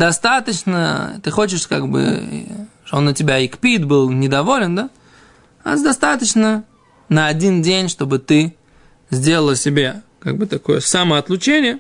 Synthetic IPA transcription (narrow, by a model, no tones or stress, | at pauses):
d̪ɐst̪at̪ət͡ɕnə̰t̪ɨxo̞t͡ɕɪʂka̰ɡbɨ̰ | t̪oonːətʲɪbʲaɪkpʲit̪bɨlˠnʲɪd̪ɐvo̞lʲɪnd̪a | a̰zd̪ɐst̪at̪ət͡ɕnə | nəɐdʲindʲenʲʂt̪o̞bɨt̪ɨ | zʲdʲe̞lˠəlˠəsʲɪbʲaka̰ɡ̚bɨt̪ɐko̞̰jəsaməɐt̪lˠʊt͡ɕenʲɪjə